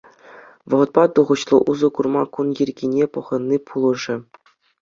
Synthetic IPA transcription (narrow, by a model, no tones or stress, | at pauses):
ʋɤ̆ʁɤ̆t̪̚pɑt̪uʁɤ̆ɕlˠɤ̆ʔuzɤ̆kurmɑkunjɘ̆rʲɡʲinʲepɤ̆ʁɤ̆nʲːipʰulˠɤ̆ʐɘ̆